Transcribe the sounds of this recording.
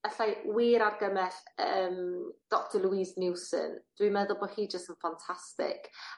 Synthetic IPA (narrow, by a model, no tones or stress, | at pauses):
əɬajwiːɾarɡəmɛɬəːmd̥ɔk̚tʰɔluiːznɪwsə̰nd̥wimɛðɔlˠboːhiːd͡ʒəstənfantʰastɪ̰k